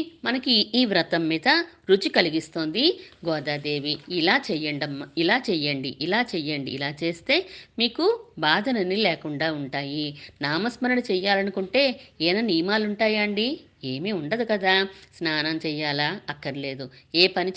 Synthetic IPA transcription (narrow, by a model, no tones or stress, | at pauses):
mɐnɐkiːʋɾɐt̪ɐmːiːd̪ɐɾut͡ʃikɐliɡist̪o̞ːnd̪iɡɔːd̪aːd̪e̞ːʋiːlaːt͡ʃɛjɐɳɖɐmːɐilaːt͡ʃɛjɐɳɖiʔilaːt͡ʃɛjɐɳɖḭːlaːt͡ʃeːst̪e̞ːmiːkubaːd̪ʱɐnɐnilɛːkuɳɖaːuɳʈaːjinaːmɐsmɐɾɐɽut͡ʃɛjaːlɐnukuɳʈe̞ːɛːnɐnijmaːluɳʈaːjɐɐɳɖi | eːmiuɳɖɐd̪ukɐd̪aːsnaːnɐmt͡ʃɛːjːaːlaɐkːɐɾile̞ːd̪ueːpɐnit͡ʃ